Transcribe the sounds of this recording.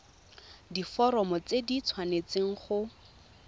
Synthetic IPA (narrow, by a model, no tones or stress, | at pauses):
difɔɾɔmɔt͡sedit͡sʰwanet͡seŋ̩χʊ